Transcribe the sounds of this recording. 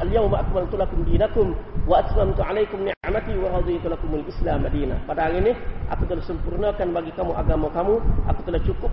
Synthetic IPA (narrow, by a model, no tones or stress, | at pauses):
aljawmaʔakmalt̪ulakʊmdiːnakʊmwaʔat̪mamt̪uʕalajkʊmnɪʕmat̪iwaɾɑd̪ˤit̪ulakʊmalʔɪslaːmadiːna̰padaɦaɾinɪʔa̰kut̪əlahsəmpurnakanbaɡikamuʔa̰ɡamakamuʔa̰kut̪əlaht͡ʃukʊp̚